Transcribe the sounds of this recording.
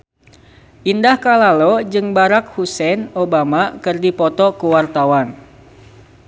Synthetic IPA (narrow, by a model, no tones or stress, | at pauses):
ʔindahkalalod͡ʒɨŋbaɾak̚husɛnobamakɨrdipɔt̪ɔkuwart̪awan